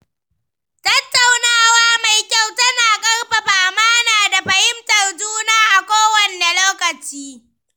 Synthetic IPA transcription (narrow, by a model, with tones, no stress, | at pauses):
tɐ˦tːa˨wnaː˦waː˦ma˨jkʲa˦˨wtɐ˦naː˨kʼɐ˦rɸɐ˨ɸaː˨maː˦naː˨da˨ɸɐ˨hɪ˦mtɐ˨rd͡ʒuː˦naː˦˨ʔa˨kʷoː˦wɐ˨nːa˨loː˦kɐ˨t͡ʃiː˦